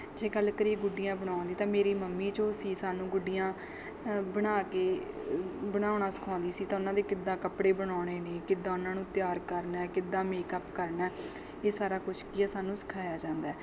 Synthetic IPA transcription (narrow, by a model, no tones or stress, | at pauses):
d͡ʒeːɡəlkəɾiːɡʊɖːɪjãːbəɳ̃ãːnd̪iːt̪ãːmeːɾiːməmːiːt͡ʃõːsiːsaːnũːɡʊɖːɪjãː | bəɽaːkeː | bəɽ̃aːonaːsə̥kʰãːnd̪iːsiːt̪ãːʊnãːd̪eːkɪd̪ãːkəpɽeːbəɽaːɽ̃eːnẽːkɪd̪ãːʊnãːnũːt̪ɪjaːɾkəɾnɛːkɪd̪ãːmeːkəpkəɾnɛː | eːsaːɾaːkʊt͡ʃʰkiːɛːsaːnũːsə̥kʰaːjaːd͡ʒãːnd̪aː